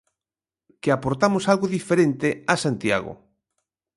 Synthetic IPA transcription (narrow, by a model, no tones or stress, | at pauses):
keapoɾt̪amʊsalɣoðifeɾent̪ɪasant̪ja̰ɣʊ̰